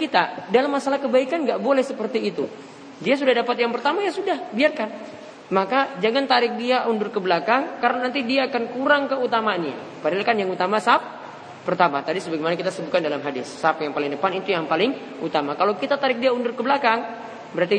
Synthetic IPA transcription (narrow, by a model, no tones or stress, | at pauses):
kit̪adalamːasalahkəbaikanɡaʔbolɛhsəpərt̪iːt̪u | dias̬udahdapat̪jaŋpərt̪amajasudahbiarkan | makad͡ʒaŋant̪aɾɪk̚diaʔundʊrkəbəlakaŋkaɾənanant̪idiaːkankuɾaŋkəut̪amaanɲa̰ | padaalkanjaŋut̪amasap̚ː | ərt̪amat̪adisəbaɡemanakit̪asəbʊt̪̚kandalamɦadɪsːap̚jaŋpalɪŋdəpanit̪ujaŋpalɪŋ | ut̪amakalowkit̪at̪aɾɪk̚diaundʊrkəbəlakaŋ | bəɾart̪i